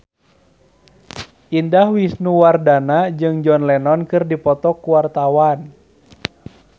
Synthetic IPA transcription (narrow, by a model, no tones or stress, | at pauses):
ʔindahwisnuwardanad͡ʒɨŋd͡ʒɔnlɛnɔnkɨrdipɔt̪ɔkuwart̪awan